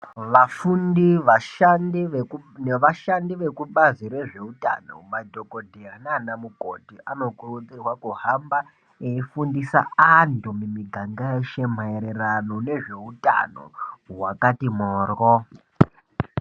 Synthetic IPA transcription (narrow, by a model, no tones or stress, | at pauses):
ʋafundiʋaʃandineʋaʃandiʋe̞kuɓaziɾe̞ʐe̞uta̰no̰madʱokodʱeɦananamuko̰tiʔano̞kurud͡zirwakuhamba | eifundisa̰andumimiɡʱaŋɡaeʃem̤aeɾerano̞ne̞ʐe̞uta̰no̰wakatimoːro